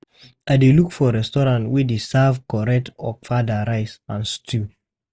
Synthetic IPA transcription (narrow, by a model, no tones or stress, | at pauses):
aɪdelukfɔɾɛstɔɾãntwidesavkɔɹɛtɔfadaɾaɪsãnstʰu